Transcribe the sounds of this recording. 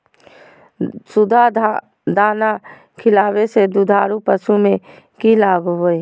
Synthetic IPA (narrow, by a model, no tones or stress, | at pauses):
sʊd̪ʱa | d̪aːna | kʰɪlaːwesed̪ud̪ʱaːɾupəʃumẽ | kilaːɡɦoe